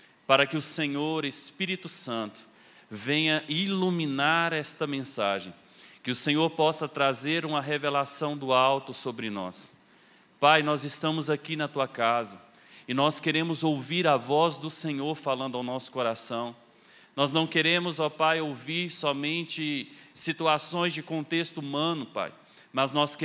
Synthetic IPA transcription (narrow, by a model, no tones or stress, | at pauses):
paɾɐkɪʊsẽɲoɾespiɾit̪ʊsɐ̃nt̪ʊ̥ | vẽɲɐʔilumĩnaɾɛst̪ɐmẽsaʒẽj̃ | kɪʊsẽɲoɾpɔsɐt̪ɾazeɾũmɐɦevelasɐ̃w̃d̪ʊawt̪ʊsobɾɪnɔ̰s | pajnɔzɪst̪ɐ̃mʊzakinɐt̪uɐkazɐ | ɪnɔskeɾẽmʊzowviɾɐvɔzd̪ʊsẽɲoɾfalɐ̃nd̪ʊawnɔsʊ̥koɾasɐ̃w̃ | nɔznɐ̃w̃keɾẽmʊzɔpajowviɾsɔmẽnt͡ʃɪsit̪uasõj̃zd͡ʒɪkõnt̪est̪ʊumɐ̃nʊpa̰j | mɐznɔske